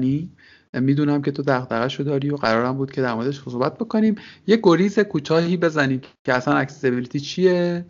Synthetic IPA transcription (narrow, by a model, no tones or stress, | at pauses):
niː | miːd̪uːnæmcʲʰe̞t̪ʰo̞d̪æʁd̪æɣæʃod̪ɒːɾiːjoɢæɾɒːɾæmbuːd̪̚cʰe̞d̪æɾmo̞ɾe̞d̪eʃhosobæt̪̚b̥o̞ko̞niːmje̞ɡo̞ɾiːze̞kʰuːt̪ʰɒːɦiːbe̞zæniːmcʰe̞æsænæcsesebilit̪ʰiːt͡ʃʰije̞